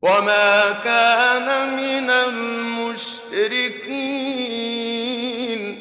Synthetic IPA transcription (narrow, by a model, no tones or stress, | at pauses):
wamaːkaːnamɪnalmʊʃ | ɾɪkiː | n